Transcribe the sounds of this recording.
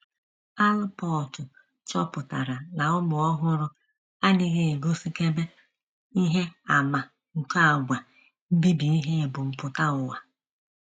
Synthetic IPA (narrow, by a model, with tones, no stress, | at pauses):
a˦lʊ˦pɔ˦˨tʊ˨ | t͡ʃɔ˦pʊ˨ta˨ɾa˨na˨ʊ˦mʊ˨ɔ˦ɦʊ˦ɾʊ˦ | a˦nɪ˦ɣe˦e˨ɡo˦si˦ke˦be˦ | i˦ɦe˦a˨ma˨ | ŋ̩˨ka˦a˨ɡʷa˨ | m̩˦bi˦bi˨i˦ɦe˦˨bʊ˨m̩˨pʊ˨ta˦ʊ˨wa˨